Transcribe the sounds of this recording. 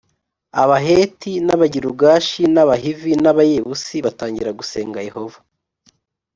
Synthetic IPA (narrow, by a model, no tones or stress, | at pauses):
aβaɦe̞ːtʰinaβaɟiɾuɡaːʃinaβaɦivinaβajeβusiβataːɲɟiɾaɡuse̞ːŋɡaje̞ho̞vḁ